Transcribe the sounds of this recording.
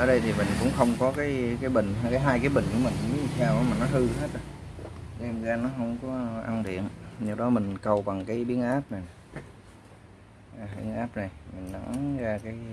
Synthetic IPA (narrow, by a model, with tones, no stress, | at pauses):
ʔəː˨˧˩ɗə˧jt̪ʰi˨˩mï˨˩ŋ̟kʊ̰˧˥ŋ͡mxə˧wŋ͡mkɔ˨˦kaː˨˦jkaː˨˦jɓï˨˩ŋ̟hkaː˨˦jɦaː˧jkaː˨˦jɓï˨˩ŋ̟ku˧˩əmï˨˩ŋ̟˧mi˨˦i˨˩saː˧wmaː˨˩nɔ˨˦t̪ʰɨ˧ɦe˦˥t̚ɗə˨˦ | zɛ˧mzaː˨˧nɔ˨˦ɦə˧wŋ͡mkɔ˨˦ʔa˧ŋɗḭ˧˨ənɲɨ˧˩wɗɔ˨˦mï˨˩ŋ̟kə˧wɓa˨˩ŋkaː˨˦jɓi˨˦ənʔaː˦˥p̚na˨˩j | ʔaː˨˩ɓḭ˨˦˥ənʔaː˦˥p̚na˨˩jmï˨˩ŋ̟na˨˦zaː˧kaː˨˦j